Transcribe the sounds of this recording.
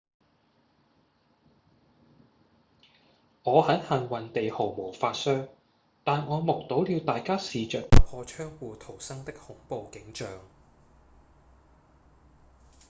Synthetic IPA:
ŋɔː˨˧hɐ˨˥nhɐ˨nwɐ˨˩nt̪e˨jho˨˩wmo˨˩wfaː˧t̚sœː˥ŋ | t̪aː˨nŋɔː˨˧mʊ˨k̚t̪o˨˥wliː˧wt̪aː˨jkaː˥siː˨t͡ʃœː˨k̚pɐ˥t̚hʰɔː˧t͡ʃʰœː˥ŋwuː˨t̪ʰo˨˩wsɐ˥ŋt̪ɪ˥k̚hʊ˨˥ŋpo˨˧wkɪ˨˥ŋt͡ʃœː˨ŋ

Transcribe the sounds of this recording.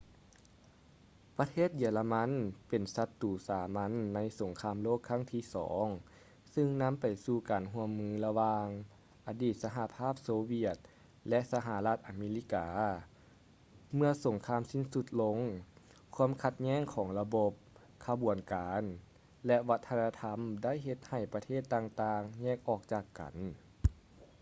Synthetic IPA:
pa˧t̪ʰeː˥˩t̪̚jiː˧˩la˧ma˧˥˨npe˨˩nsa˧t̪ːuː˨˩saː˨˦ma˧˥nːa˧˥jso˨˩˦ŋkʰaː˧˨mloː˥˨kʰːa˧˥˨ŋt̪ʰiː˧˥˨sɔ̰ː˩˦ŋ | sɯ˧ŋna˧˥˨mpa˨˩jsuː˧˩kaː˨˩nɦu˧əmːɯː˧˥la˧waː˧ŋ | ʔa˨˩diː˧˩t̪̚sa˧ɦa˧pʰaː˥˩p̚soː˧wi˧˩ət̪̚ | lɛ˧ʔsa˧ɦa˧˦la˧t̪̚ʔa˨˩meː˧li˧˥˩kaː˨ | mɯ˧əso˨˩˦ŋkʰaː˧˥˨msi˧˥˩nsu˧˥t̪̚lo˧˥ŋ | kʰu˧˥ə˨mkʰa˧t̪̚ɲɛː˥˨ŋkʰɔː˩˦ŋla˧bo˧p̚ | kʰa˧bu˨˩ənkaː˨˧˦n | lɛ˧ʔʋa˧˦˥t̪ʰːa˧na˧t̪ʰa˧˥mda˥˨jɦe˧t̪̚ha˨˩jpa˧t̪ʰeː˥˩t̪ːaː˧ŋt̪aː˧ŋɲɛː˥˩k̚ʔɔː˧˩k̚t͡ɕaː˧˩kːa̰˨˩n

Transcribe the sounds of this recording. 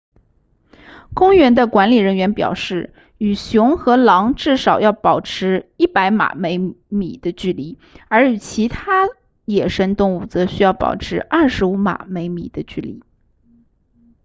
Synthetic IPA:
kʊ˥ŋɥɛ˧˥nd̪ə˧kwa˧˥nli˨˩ɻə˧˥nɥɛ˧˥npjɑ̰˨˩ʊʂɻ̩˥˩ | y˨˩ɕjʊ˧˥ŋxɤ˧˥lɑ˧˥ŋʈ͡ʂɻ̩˥˩ʂɑ˨˩ʊjɑ˥˩ʊpɑ˨˩ʊʈ͡ʂʰɻ̩˧˥i˥˩pa˧˥ɪma̰˨˩me˧˥ɪmḭ˨˩d̪ə˦t͡ɕy˥˩li˧˥ | ə˞˧˥y˨˩t͡ɕʰi˧˥t̪ʰa˥ | jɛ˨˩ʂə˥ŋt̪ʊ˥˧ŋu˥˩t͡sɤ˧˥ɕy˥jɑ˥˩ʊpɑ̰˨˩ʊʈ͡ʂʰɻ̩˧˥ʔɐ˞˥˩ʂɻ̩˧˥u˧˥ma̰˨˩me˧˥ɪmḭ˨˩d̪ə˦t͡ɕy˥˩lḭ˧˥

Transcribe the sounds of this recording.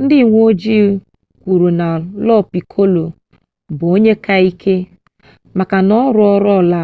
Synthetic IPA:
n̩˦dɪ˦˨ŋʷo˦d͡ʒi˦˨˦ | kʷu˨ɾu˨na˨lɔ˦˨pi˨kʰo˦lo˨ | bo˦ɲe˦ka˦i˦kʰe˦ | ma˨ka˨nɔ˦ɾʊ˦ɔ˦ɾɔ˦˨la˦˨

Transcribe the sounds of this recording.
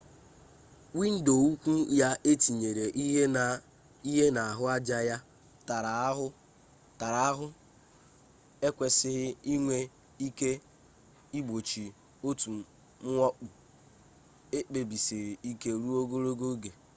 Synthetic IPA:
wi˦n̩˦do˨u˦kʷu˦ja˦ʔe˦ti˨ɲe˨ɾe˨ʔi˦ɦe˦na˨ | i˦ɦe˦na˨a˨ɦʊ˦a˦d͡ʒa˦ja˦ | ta˨ɾa˨˦ɦʊ˦ | ta˨ɾa˨a˦ɦʊ˦ | e˦kʷe˨sɪ˦ɦɪ˦i˦ŋʷe˦ | i˦ke˦ | i˦ɡ͡bo˨t͡ʃi˨ | o˦tu˨ | m̩˦ɔ˦k͡pʊ˨ | e˦k͡pe˨bi˨si˨ɾɪ˨i˦ke˦ɾu˦o˦ɡo˦ɾo˦ɡo˦ɡe˨

